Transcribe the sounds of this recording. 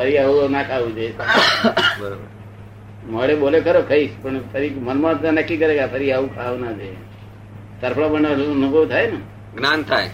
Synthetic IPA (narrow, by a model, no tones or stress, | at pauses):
pʰəɾiaunakʰaʋud͡ʒe | bəɾobəɾ | məɭebolekəɾokʰəipəɳpʰəɾimənmat̪anəkːikəɾeɡapʰəɾiaʋukʰaunad͡ʒe | səɾpʰɭabəɳanubʱəʋt̪ʰajnə | ɡnant̪ʰaj